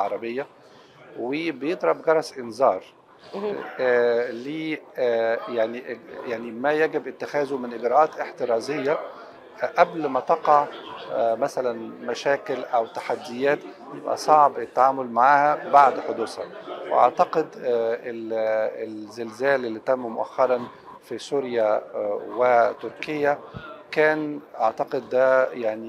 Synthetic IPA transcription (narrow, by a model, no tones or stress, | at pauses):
ʕɑɾˤɑbejːæ | webejed̪ˤɾˤɑbɡɑɾˤɑsʔenzɑːɾˤ | liː | jaʕniʔjaʕnimæjæɡɪbʔɪt̪ːexæːzomɪnʔɪɡɾˤɑʔɑːt̪eħt̪eɾˤɑːzejːæ | ʔæblmæt̪ɑqɑʕ | mæsælænmæʃæːkelʔæwt̪ḁħad̪ːɪjæːt̪ | jebʔæ̰sˤɑʕbet̪ːaʕaːmolmaʕaːhæbaʕd̪ħod̪uːshæ̰weʔɑ̰ʕt̪ɑqed̪eelzelzæːlʔelːit̪æmːmoʔæ̰xːɑɾˤɑn | fisuːɾjæwet̪ʊɾkejːækæːnʔɑʕt̪ɑqed̪ːæjaʕni